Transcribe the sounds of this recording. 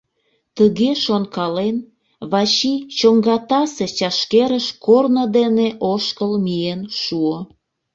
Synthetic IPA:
t̪əɣeʃonkɑlen | βɑt͡ɕit͡ɕoŋɡɑt̪ɑset͡ɕɑʃkeɾəʃkornod̪eneʔoʃkəlmienʃuo

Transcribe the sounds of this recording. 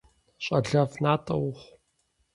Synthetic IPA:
ɕʼɐɮɐvnaːtʼɐwʊχʷ

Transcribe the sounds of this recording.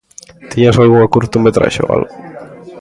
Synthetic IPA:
t̪iɲasalɣuakuɾt̪umet̪ɾa̰ʃo̰a̰lɣo

